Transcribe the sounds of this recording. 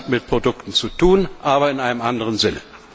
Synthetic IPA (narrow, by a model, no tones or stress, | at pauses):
mɪt̚pʁ̥odʊktn̩t͡sutʰuːnʔaːbɐɪnʔaɪnəmʔandəʁənzɪnə̰